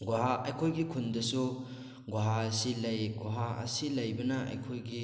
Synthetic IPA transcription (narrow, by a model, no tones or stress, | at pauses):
ɡuɦaʔɐjkʰojɡikʰundɐsu | ɡuɦasilɐjɡuɦaɐ̰silɐjbɐnɐʔɐ̰jkʰojɡi